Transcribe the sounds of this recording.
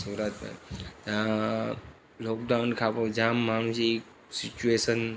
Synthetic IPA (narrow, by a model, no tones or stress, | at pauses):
suːɾat̪ma̰a | loːk̚d̪aʋnkʰapod͡ʑãmːaɽ̃ũsik | sit͡ɕuesən